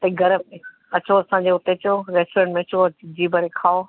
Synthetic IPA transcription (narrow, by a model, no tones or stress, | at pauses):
t̪ɐiɡɐɾəme | ɐt͡ɕʰoɐsãːɲd͡ʑeʊt̪et͡ɕoɾeːsʈoɾẽɳʈmẽɐt͡ɕʰoɐd͡ʑiːbɐɾekʰaːo